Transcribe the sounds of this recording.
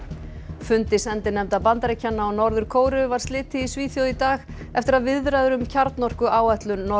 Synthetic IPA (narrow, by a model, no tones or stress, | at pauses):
fʏnt̪ɪsɛnt̪ɪnɛmt̪apant̪aɾejcʰːanːaɔnɔɾðʏɾ̥kʰoːwɾʏvaɾ̥st̪lɪːt̪ɪisviːθjowðit̪aːɣ | ɛft̪ɪɾaðvɪðɾaðʏɾʏmcʰaɾt̪nɔr̥kʏʔaːwɛht̪lʏnːɔ